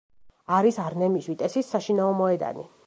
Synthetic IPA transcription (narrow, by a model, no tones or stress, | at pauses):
aɾisaɾnɛmiʃwit̪ʼɛsisːaʃinaɔmɔɛd̪a̰nḭ